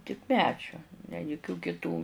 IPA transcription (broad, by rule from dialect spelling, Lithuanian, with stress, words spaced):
tʲɪk ˈmʲæːd͡ʒʲoː nʲɛ jʊˈkʲuː kʲɪˈtuː